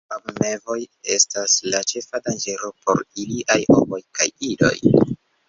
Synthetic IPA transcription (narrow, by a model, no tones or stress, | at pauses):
abme̞vo̞je̞̰staslat͡ʃe̞fadand͡ʒe̞lo̞po̞̰ɾiliʔajho̞̰mo̞jka̰jido̞̰j